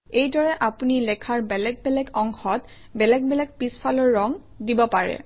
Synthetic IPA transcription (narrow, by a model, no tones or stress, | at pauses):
ejdɔɹɛʔapunilɛkʰaɹbɛlɛɡ̚bɛlɛkɔŋxɔt | bɛlɛk̚bɛlɛk̚pispʰalɔɹːɔŋ | dibɔpaɹɛ̰